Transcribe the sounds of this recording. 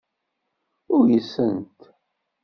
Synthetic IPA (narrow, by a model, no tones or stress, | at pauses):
ʊɾjəsənt̪